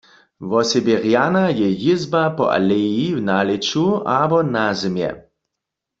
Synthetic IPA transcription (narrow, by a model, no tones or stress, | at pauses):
vɔsɛbeʁjanajɛjizbapɔ̰ʔa̰lɛjiwnalet͡ʃuabɔnazɛmjɛ̰